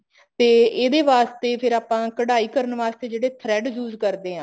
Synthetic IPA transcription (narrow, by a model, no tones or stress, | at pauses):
t̪eːeːd̪eːʋaːst̪eːpʰɪɾaːpãːkəɽaːiːkəɾənʋaːst̪eːd͡ʒeːɽeːt̪ʰɾɛːɖjuːzkəɾd̪eːɦãː